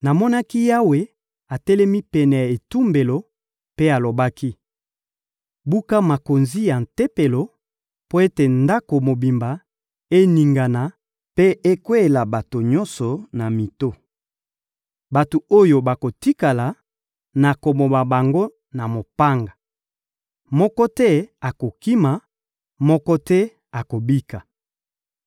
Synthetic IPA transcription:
na˨mɔ˦na˦ki˦ja˦we˦ | a˨tɛ˦lɛ˦mi˦pɛ˨nɛ˨ja˨e˨tu˦mbe˨lo˨ | pe˦a˨lo˨ba˦ki˦ | bu˦ka˦ma˨ko˨nzi˦ja˨n̩˨te˦pe˨lo˨ | po˦e˦te˨nda˦ko˨mo˨bi˨mba˨ | e˦ni˨ŋɡa˨na˨ | pe˦e˦kwe˦e˨la˨ba˨to˨ɲɔ˦nsɔ˨na˨mi˨to˦ | ba˨to˨o˦jo˨ba˨ko˨ti˦ka˨la˨ | na˨ko˨mo˨ba˨ba˨ŋɡo˦ | na˨mo˨pa˦ŋɡa˨ | mɔ˦kɔ˦tɛ˦a˨ko˨ki˦ma˨ | mɔ˦kɔ˦tɛ˦ | a˨ko˨bi˦ka˨

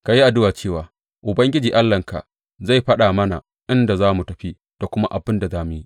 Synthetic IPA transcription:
ka˨ji˦ʔa˨dʊ˦waː˨t͡ʃeː˦˨waː˨˦ | ʔʊ˨bɐ˦ŋɡʲɪ˦d͡ʒiː˨ʔa˦lːɐ˨ŋka̰˨ | za˦˨jɸɐ˦ɗaː˨mɐ˦na̰˨ | ʔɪ˦nda˨zaː˦mu˨tɐ˨ɸi˦ | d̥a˨kʷʊ˦ma˦ʔa˨bɪ˦nda˨zaː˦mʊ˨ji˦

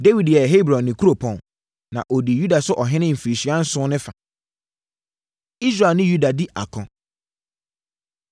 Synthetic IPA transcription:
de˦wi˨djɛ˨ɦe˦bɾɔ̃˨nːɪ̃˨kʰu˦ɾo˨pʰɔ̃˨n | nã̰˨ʔɔ˨di˨ju˦da˨sʊ˦ʔɔ˨ɦɪ̃˦nɪ̃˦m̩˨fi˨ɾi˨ɕi˨˦ã˦n̩˦sʊ̃˦nɪ̃˦fa˨ | i˦s̬ɾa˨lnɪ̃˦ju˦da˨di˦ʔa̰˨kʰɔ̃˨

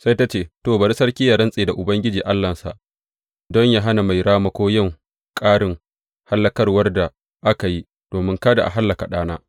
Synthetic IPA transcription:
sa˦jta˦t͡ʃeː˦˨toː˦˨bɐ˨ɾi˦sɐ˦rkʲiː˦ja˨ɽɐ˦nsʼeː˨da˨ʔʊ˨bɐ˦ŋɡʲɪ˦d͡ʒiː˨ʔa˦lːɐ˨nsa̰˨ʔ | dɔ˦ɲja˦ɦa˦na˨ma˨jɽaː˦mɐ˦kʷoː˦jɪ˦˨ŋ | kʼaː˦ɽɪ˨ŋ | ha˦lːɐ˦kɐ˦rwɐ˦rda˨ | ʔa˦ka˨ji˦ | d̥oː˨mɪ˦ŋkaː˦da̰˨ʔa̰˨ɦa˦lːɐ˨ka˨ɗaː˦naː˦

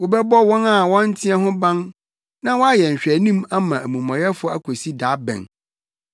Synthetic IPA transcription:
wʊ˨bɛ˦bɔ˦wɔ̃˦na˦˨wɔ̃˦n˦tʰĩ˦ɛ˦ɦʊ̃˦bã˦n | nã˦wɔ˦a˦jɛ˨ɲ̩˨ɕᶣæ˨nĩ˦ma˦mã˨ʔæ˨mũ˨mã˨ɾɛ˦fʊ˨˦a˦kʰo˨si˦daː˨˦bɛ̰̃˨n

